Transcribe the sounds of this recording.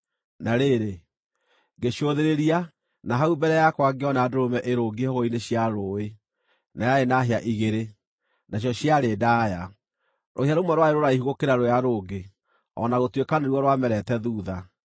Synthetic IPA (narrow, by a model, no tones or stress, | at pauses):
naɾeɾe | ɡeɕoðeɾeɾia | naɦaubɛɾɛjakwaɡeɔnaadoɾomɛʔeɾoɡehoɣoineɕjaɾoːe | najaenaɦeaʔiɣeɾe | naɕ̬jɔɕjaɾedaːja | ɾʔoheaɾomwɛɾwaeɾoɾaiɦuɣokeɾaɾojaɾoːɡe | ɔ̰naɣotwekaneɾwɔɾwamɛɾɛtɛðuːða